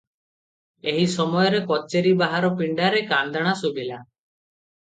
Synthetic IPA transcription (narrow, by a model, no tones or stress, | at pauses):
eɦisɔmɔjɔɾekɔt͡ʃeɾibaɦaɾɔpiɳɖaɾekand̪aɽ̃asubila